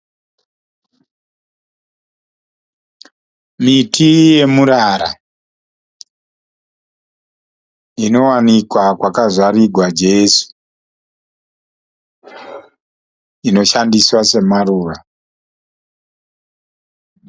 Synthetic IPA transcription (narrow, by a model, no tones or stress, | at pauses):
mitije̞muɾaɾa̰ | ino̞wanikwakwakazwariɡʱwad͡ʒe̞ːsu̥ | ino̞ʃandiswase̞maruːra